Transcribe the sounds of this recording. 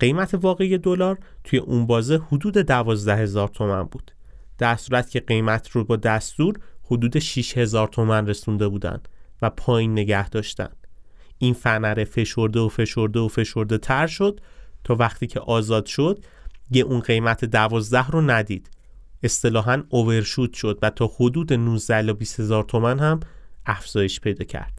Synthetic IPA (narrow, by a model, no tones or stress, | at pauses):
ɢ̥e̞jmæt̪ʰe̞vɒːɣe̞je̞d̪olɒːɾt̪ʰuje̞ʔunbɒːzehod̪uːd̪e̞d̪ævɒːzd̪æhe̞zɒːɾt̪ʰo̞mænbuːd̪̥ | d̪̥æɾsuːɾæt̪cʰe̞ɢe̞jmæt̪ʰɾobɒːd̪æst̪uːɾhod̪uːd̪e̞ʃiʃhe̞zɒːɾt̪ʰo̞mænre̞sund̪e̞buːd̪æ̰nd̪̥væpʰɒːjinːe̞ɟæhd̪̥ɒːʃt̪æ̰n | ʔinfænæɾefe̞ʃo̞ɾd̪e̞ofe̞ʃo̞ɾd̪e̞ofe̞ʃo̞ɾd̪e̞t̪ʰæɾʃo̞d̪̥t̪ʰɒːvæχt̪ʰiːcʰe̞ʔɒːzɒːd̪̥ʃo̞d̪̥̚ | jeʔunɢe̞jmæt̪ʰed̪ævɒːzd̪æhronæd̪iːd̪̥ | e̞st̪e̞lɒːɦænove̞ɾʃut̪ʃo̞d̪væt̪ʰɒːhod̪uːd̪e̞nuzd̪æhlɒbiːshe̞zɒːɾt̪ʰo̞mænhæmæfz̥ɒːje̞ʃpʰe̞jd̪ɒːcʰæ̰ɾd̪̥